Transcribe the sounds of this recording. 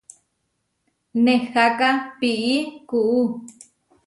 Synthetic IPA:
nexakapiʔikuʔu

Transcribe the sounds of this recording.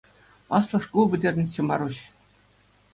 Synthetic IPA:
ɑslˠɤ̆ʂkubʲɘ̆dʲerʲɘ̆nʲt͡ɕĕmɑ̰ɾuɕ

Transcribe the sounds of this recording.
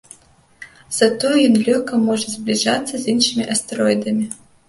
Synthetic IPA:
z̥ɐt̪ɔjɛjɔnlʲɔxkɐmɔʐɛzʲblʲiʐat̪sːɐzʲinʂɨmʲiʔɐst̪ɛɾɔjd̪ɐmʲi

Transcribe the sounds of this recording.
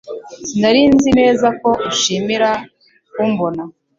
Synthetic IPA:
sindaɾiːnzine̞ːzako̞ʔuʃimiɾa | kumbona

